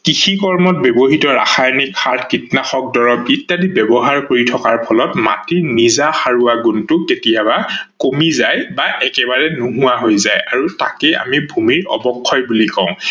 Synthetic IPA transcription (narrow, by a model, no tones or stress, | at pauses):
kixʰikɔɹmɔt̚bebɔɦitɔɹa̰xajnikxaɹtʰkitnaxɔk̚dɔɹɔpitːadibɛbɔɦaɹkoɹitʰɔkaɹpʰɔlɔtma̰tiɹnizaxaɹuaɡuntʊketijabakomizajbaʔɛkɛbaɹɛnuɦʊwaɦojzajaɹuta̰kɛa̰mibʱumiɹɔ̰bɔkʰːɔjbulikɔ̃ʊ̃